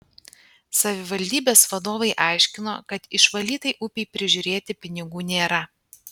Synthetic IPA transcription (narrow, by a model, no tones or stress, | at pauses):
sɐʋʲɪʋɐlʲd̪ʲiːbʲeːsʋɐd̪oːʋɐɪʔɑˑɪʃʲkʲɪno̰ːkɐt̪ɪʃʋɐlʲiːt̪ɐɪʔʊpʲɛɪpʲɾʲɪʒʲʊɾʲeːt̪ʲɪpʲɪnʲɪɡuːnʲeːɾɐ